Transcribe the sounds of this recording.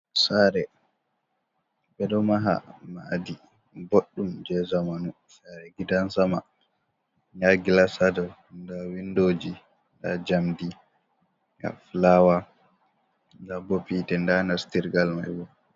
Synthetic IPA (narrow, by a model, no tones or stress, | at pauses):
saɾɛ | bɛɗɔmaɦa̰ma̰di | boɗːumd͡ʒɛzamanu | saɾɛɡidansama̰ | ɲaɡilasadɔndawindod͡ʒi | nda̰d͡ʒamdi | ɡa̰flawa | ndabopitɛndanastiɾɡalmajwɔ